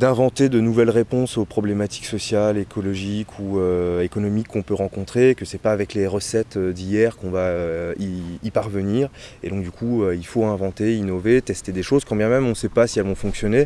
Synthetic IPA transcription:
d̪ɛ̃vɑ̃t̪ed̪ənuvɛlʁepɔ̃sopχɔblemat̪i̥ksɔsjalekʰɔlɔʒikʰuøekɔnɔmikʰːɔ̃pøʁɑ̃kɔ̃t̪χekəsɛpaːvɛkleʁəsɛt̪ød̪ijɛʁkɔ̃vaøiːpaʁvəniʁed̪ɔ̃k̚d̪ykʰuøilfoɛ̃vɑ̃t̪einɔvet̪ɛst̪ed̪eʃozkɑ̃bjɛ̃mɛmɔ̃sɛpasiɛlvɔ̃fɔ̃ksjɔne

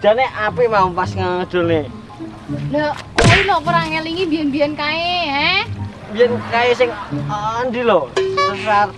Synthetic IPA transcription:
d̪̥a̤neʔapimaupasŋaŋəd̪̥o̤lne | nailɔpəɾaŋeliŋibijanbijankaeɦɛ | bijankaesɪŋ | nd̪ilɔssəsar

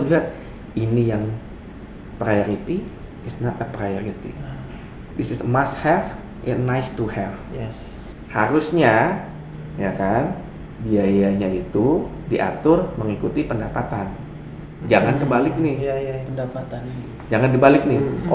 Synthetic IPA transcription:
biɦat̪̚ | inijaŋ | pɾajoɾit̪i | ɪsnapapɾajoɾit̪ḭ | bisɪsmast̪hɛf | ʔɪt̪najst̪uhɛfjɛs | haɾusɲa | jakan | biajaɲait̪u | diʔa̰t̪ʊrməŋikut̪ipəndapat̪an | d͡ʒaŋankəbalɪk̚nɪjpəndapat̪an | d͡ʒaŋandibalɪk̚nɪ

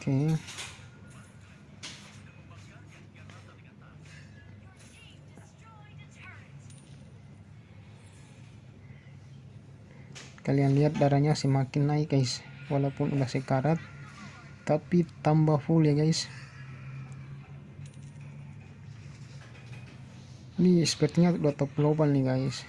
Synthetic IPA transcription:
ke | kalianliɦat̪̚daɾaɲasɛmakɪnːaik̚ɡaiswalaupunʔudahsɛkaɾat̪̚ː | apit̪ambafuljaɡais | nispɛrt̪ɲaduat̪ɔplobalniɡais

